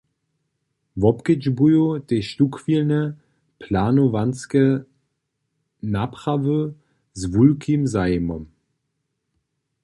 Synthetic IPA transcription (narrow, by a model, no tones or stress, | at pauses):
vɔpkəd͡ʒbujoteʃtukv̥ilnə | pʰlaːnovanskə | napʁ̥avø | zvulkʰimzaimɔm